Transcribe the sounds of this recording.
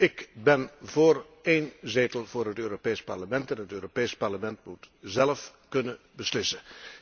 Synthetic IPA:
ɪkbɛnvoːr | ejnzeːtəlˠvʊːɾɦətøːropejspɑ̰rləmɛntɛnɦətøːropejspɑɹləmɛntmutzɛlfkɵnə | bəslɪsə

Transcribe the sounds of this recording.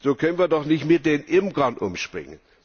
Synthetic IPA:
z̥oːkʰœnənviːɐdɔχnɪçtmɪt̚d̥eːnʔɪmɡanʔʊmʃpʁ̥ɪ̰ŋə̰n

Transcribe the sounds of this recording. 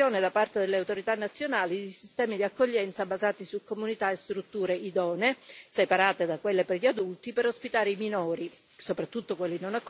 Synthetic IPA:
joːned̪apart̪ed̪elːeawt̪oɾit̪anːat̪sːjonaːlid̪isist̪ɛːmid̪iakːoʎːɛnt̪sabazaːt̪isukːomunit̪aest̪ɾut̪ːuːɾeʔid̪ɔːnesepaɾaːt̪ed̪akwelːeperʎiad̪ult̪ipeɾospit̪aːɾeiminoːɾi | sopɾat̪ːut̪ːokwelːinonakː

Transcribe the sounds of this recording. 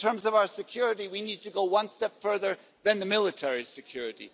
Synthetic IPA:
tʰɜ̃˞mzʌvaʊə˞sɨkʰj̥ʊɹɨɾiwinid̚tɨɡoʊwʌ̃nstɛpfɜ˞ðə˞ | ðɨ̃nðɨmɪlˠətʰɛɹisɨkʰj̥ʊɹɨɾḭ

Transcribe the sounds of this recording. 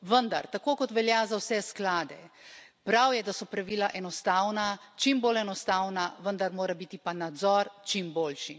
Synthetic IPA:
ʋənd̪a̰ɾt̪akoːkɔt̪ʋɛljaːzawsɛsklaːd̪ɛ̰pɾawjɛd̪asɔpɾaʋiːlaʔɛnɔst̪aːwna | t͡ʃimboːlɛnɔst̪awnaʋənd̪aɾmoːɾabit̪ipanad̪zɔɾt͡ʃimboːlʃi

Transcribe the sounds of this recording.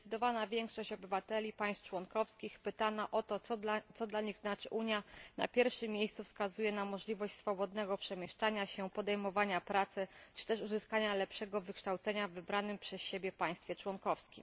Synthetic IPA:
ɘd̪ɔvanavʲjɛŋkʂɔɕt͡ɕɔbɘvat̪ɛlʲipaj̃st̪ft͡ʂwɔŋkɔfskʲixpɘt̪anaʔɔt̪ɔɔt̪ɔd̪laɲiɣznat͡ʂɘʔuɲjana̰pʲjɛɾfʂɘmʲːjejst̪ufskazujɛnamɔʐlʲivɔɕt͡ɕʲsfɔbɔd̪nɛɡɔpʂɛmʲjɛʂt͡ʂaɲaɕɛpɔd̪ɛjmɔvaɲapɾat̪sɘt͡ʂɘ̥t̪ɛʂuzɘskaɲalɛpʂɛɡɔvɘkʂt̪awt̪sɛɲavːɘbɾanɘmpʂɛsɕebʲjɛpaj̃st̪fʲjɛt͡ʂwɔŋkɔfskʲḭm

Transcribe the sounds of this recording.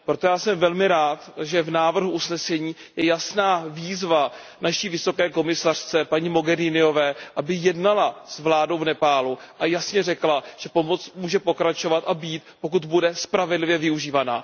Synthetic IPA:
pɾo̞t̪ojaːsɛmvɛlmɪɾaːt̪ʒɛvnaːvr̩ɦuʔusnɛsɛɲiː | jɛjasnaːviːzva | naʃiːvɪso̞kɛːko̞mɪsar̝̥t͡sɛpaɲiːmo̞ɡɛɾɪnɪo̞vɛːʔabɪjɛdnalasvlaːdowvnɛpaːlu | ʔajasɲɛrɛklaʒ̥ɛpo̞mo̞t͡smuːʒɛpo̞kɾat͡ʃo̞vat̪abiːt̪̚po̞kut̪budɛspɾavɛdlɪvjɛvɪuʒiːvana̰

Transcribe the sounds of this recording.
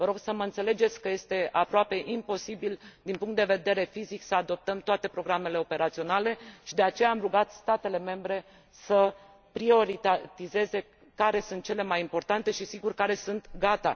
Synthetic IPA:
vəɾo̞ɡ̥səməɨnt̪se̞le̞d͡ʒe̞t̪sʲkəje̞st̪e̞apɾoape̞ʔimpo̞sibild̪inpuŋkt̪d̪eve̞d̪e̞ɾe̞fiziksəad̪o̞p̚t̪əmt̪oat̪e̞pɾo̞ɡɾame̞le̞o̞pe̞ɾat̪sio̞nale̞ʃid̪e̞at͡ʃe̞jaːmruɡat̪st̪at̪e̞le̞me̞mbɾe̞ | sə | pɾio̞ɾit̪at̪ize̞ze̞ | kaɾe̞sunt̪̚t͡ʃele̞majimpo̞rt̪ant̪e̞ʃisiɡurkaɾe̞sunt̪ɡat̪a̰

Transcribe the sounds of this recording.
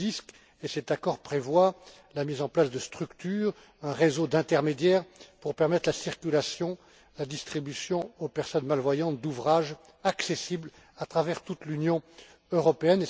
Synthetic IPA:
isk | esɛt̪akɔʁpχevwa | lamizɑ̃plasd̪əst̪χykt̪yːʁ | ɛ̃ʁezod̪ɛ̃t̪ɛʁmed̪jɛːʁpuʁpɛʁmɛt̪χlasiʁkʲylasjɔ̃ | lad̪ist̪χibysjɔ̃opɛʁsɔnmalvwajɑ̃t̪̚d̪uvʁaʒ | aksesibl | at̪χavɛʁt̪ut̪lynjɔ̃ | øʁɔpeɛne

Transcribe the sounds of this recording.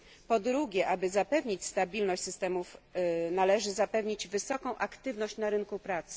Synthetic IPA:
pɔd̪ɾuɡʲjɛʔabɘzapɛvɲit͡ɕst̪abʲilnɔɕt͡ɕsɘst̪ɛmufnalɛʐɘzapɛvɲid͡ʑvɘsɔkɔ̃w̃ʔakt̪ɘvnɔɕt͡ɕnaɾɘnkupɾat̪sɘ̥

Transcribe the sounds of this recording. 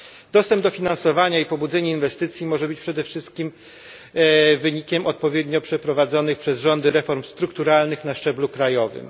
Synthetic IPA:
d̪ɔst̪ɛmbd̪ɔfʲinansɔvaɲaipɔbud̪zɛɲainvɛst̪ɘt̪sʲjimɔʐɛbɘt͡ɕpʂɛd̪ɛfʂɘst̪̚kʲim | vɘɲikʲɛmʔɔt̪̚pɔvʲjed̪ɲɔpʂɛpɾɔvad̪zɔnɘxpʂɛzʐɔnd̪ɘɾɛfɔɾmst̪ɾukt̪uɾalnɘxnaʂt͡ʂɛblukɾajɔvɘ̰m

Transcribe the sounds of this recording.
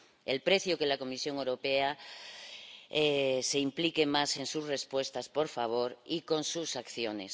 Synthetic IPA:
elpɾe̞θjoke̞lako̞misjo̞ŋewɾo̞pea | ese̞implike̞masẽ̞nsusre̞spwe̞st̪aspo̞ɾfaβ̞o̞ɾikõ̞nsusakθjo̞ne̞̰s

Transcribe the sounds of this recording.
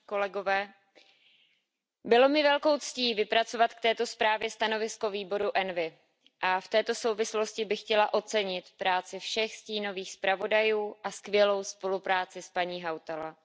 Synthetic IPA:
ko̞lɛɡo̞vɛː | bɪlo̞mɪvɛlko̞wt͡sciːvɪpɾat͡so̞vat̪k̚t̪ɛːt̪o̞spɾaːvjɛst̪ano̞vɪsko̞viːbo̞ɾuʔɛnvɪ | ʔaft̪ɛːt̪o̞so̞wvɪslo̞scɪbɪxcɛlaʔo̞t͡sɛɲɪt̪pɾaːt͡sɪfʃɛxsciːno̞viːxspɾavo̞dajuːʔaskvjɛlo̞wspo̞lupɾaːt͡sɪspaɲiːɦawt̪ala

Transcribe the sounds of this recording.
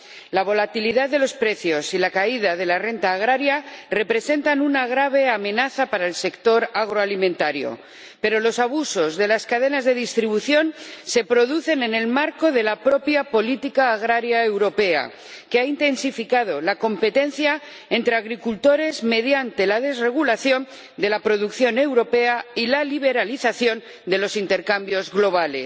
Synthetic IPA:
laβ̞o̞lat̪iliðaððe̞lo̞spɾe̞θjo̞silakaið̞aðe̞lare̞nt̪aːɣ̞ɾaɾjare̞pɾe̞se̞nt̪anunaɣ̞ɾaβ̞e̞amẽ̞naθapaɾaelse̞kt̪o̞ɾaɣ̞ɾo̞alimẽnt̪aɾjo̞̰ | pe̞ɾo̞lo̞saβuso̞zðe̞laskaðe̞nazðe̞ðist̪ɾiβuθjo̞nse̞pɾo̞ðuθe̞ne̞ne̞lmaɾko̞ðe̞lapɾo̞pjapo̞lit̪ikaːɣ̞ɾaɾjae̞wɾo̞pe̞a̰ | keaint̪e̞nsifikaðo̞lako̞mpe̞t̪e̞n̟θja | e̞nt̪ɾe̞aɣ̞ɾikult̪o̞ɾe̞zme̞ð̞jant̪e̞lað̞e̞zre̞ɣ̞ulaθjo̞n | d̪e̞lapɾo̞ðukθjo̞ne̞wɾo̞pe̞ailaliβ̞e̞ɾaliθaθjo̞n | d̪e̞lo̞sint̪e̞ɾkambjo̞zɣlo̞β̞ale̞s

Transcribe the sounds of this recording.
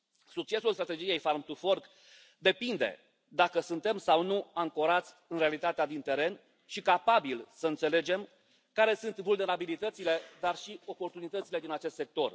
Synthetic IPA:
suk̚t͡ʃe̞sulst̪ɾat̪e̞d͡ʒije̞jfarmt̪ufo̞rk | d̪e̞pind̪e̞̰ | d̪akəsunt̪e̞msawnuaŋko̞ɾat̪sʲɨnɾealit̪at̪ead̪int̪e̞ɾe̞n | ʃikapabilsəɨnt̪se̞le̞d͡ʒe̞m | kaɾe̞sɨnt̪vulne̞ɾabilit̪ət̪sile̞d̪arʃio̞po̞rt̪unit̪ət̪sile̞d̪inat͡ʃe̞st̪se̞k̚t̪o̞r

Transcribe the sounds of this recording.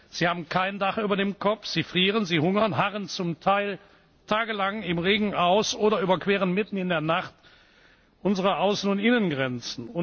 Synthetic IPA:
z̥iːhaːbn̩kʰaɪndaχʔyːbɐdeːmkʰɔpp͡fz̥iːfʁ̥iːʁənziːhʊŋɐnɦaʁənt͡sʊmtʰaɪl | tʰaːɡəlaŋɪmʁeːɡŋ̩ʔaʊsʔoːɾɐyːbɐkv̥eːʁənmɪtn̩ɪndeːɐnaχt | ʔʊnzəʁəʔaʊsn̩ʊntɪnənɡʁɛnt͡sn̩ʊ

